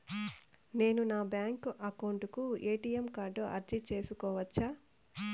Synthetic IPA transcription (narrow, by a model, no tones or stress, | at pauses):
ne̞ːnunaːbjaːŋkʔɐkɐwɳʈukueːʈiːjemkaːɾɖoːʔɐ̰ɾd͡ʒit͡ʃe̞ːsukɔːʋɐt͡ʃːaː